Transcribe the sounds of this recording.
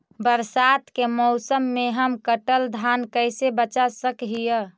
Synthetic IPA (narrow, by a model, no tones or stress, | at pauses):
bəɾsat̪kemɔʊsəmːeɦəmkəʈəld̪ʱankəɪsebət͡ʃasəkɦijə